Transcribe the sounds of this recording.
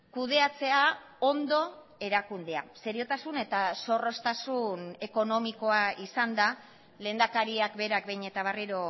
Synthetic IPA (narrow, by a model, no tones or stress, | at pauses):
kuð̞e̞at͡se̞a | ond̪o̞ | e̞ɾakund̪e̞ase̞ɾio̞t̪asune̞t̪aso̞ro̞st̪asune̞ko̞no̞miko̞aisand̪a | le̞ːnd̪akaɾiakbe̞ɾakbejɲe̞t̪aβ̞ariɾo̞